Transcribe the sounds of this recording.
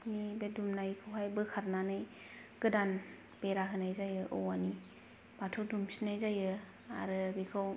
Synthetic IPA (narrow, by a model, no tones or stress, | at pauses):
pnibedumnaikʰɯwɦajbɯkʰaɾnanɯj | kɯdan | peɾaɦɯnajzajɯʔɔ̰wani | b̥atʰodumsinajzajɯ | a̰ɾɯbikʰaw